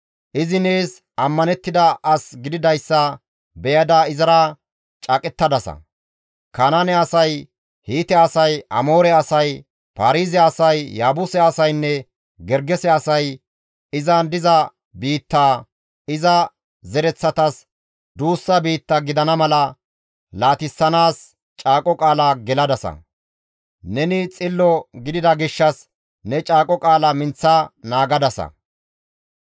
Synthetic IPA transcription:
ʔɪzɪne̞ːs | ʔɐmːɐnɛt̪ːɪd̪ɐʔɐsɡɪd̪ɪd̪ɐjsːɐ | bɛjɐd̪aɪzɐɾa | t͡ʃʼɐkʼɛt̪ːɐd̪ɐsɐ̰ | kaːnɐnɛɐsɐj | hiːt̪ɛɐsɐjɐ̰mo̞ːɾɛɐsɐj | paɾiːzɛɐsɐjːaːbʊsɛɐsɐjnːɛ | ɡɛɾɡɛsɛɐsɐj | ɪzɐnd̪ɪzɐ | biːt̪ːaː | ɪzɐ | zɛɾɛt͡sːɐt̪ɐs | d̪uːsːɐbiːt̪ːɐɡɪd̪ɐnɐmɐlɐ | laːt̪ɪsːɐnaːs | t͡ʃʼaːkʼɔkʼaːlaːɡɛlɐd̪ɐsɐ̰ | nɛnɪt͡sʼɪlːɔɡɪd̪ɪd̪ɐɡɪʃːɐs | nɛt͡ʃʼaːkʼɔkʼaːlɐmɪnt͡sːanaːɡɐd̪ɐsɐ̰

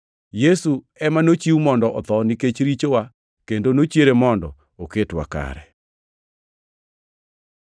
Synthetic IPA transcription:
jesu | ɛmanot͡ʃiumɔndɔʔɔt̪ɔniket͡ʃɾit͡ʃowa | kendonot͡ʃjeɾemɔndɔ̰ | oketwa̰ka̰ɾɛ̰

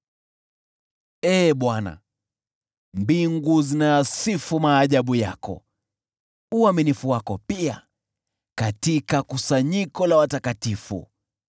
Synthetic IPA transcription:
ɛːɓwana̰ | mbiŋɡuzinaːsifumaːʄaɓuja̰kɔ̰ | uaminifuwakɔpia̰ | katikakusaɲikɔlawatakatifṵ

